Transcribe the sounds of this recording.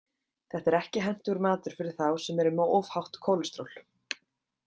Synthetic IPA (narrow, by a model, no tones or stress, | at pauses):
θɛht̪ɛɾɛhcɪɦɛn̥t̪ʏɣɾmaːt̪ʏɾ̥fɪɾɪɾ̥θawsɛmɛɾɪmɔʔovhawht̪kʰowlʏst̪ɾowl̥